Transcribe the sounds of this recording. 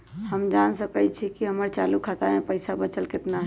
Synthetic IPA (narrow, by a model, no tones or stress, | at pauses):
həmd͡ʒansəkət͡ʃʰikiɦəməɾt͡ʃalukʰat̪amepəɪsabət͡ʃəlket̪naɦɛ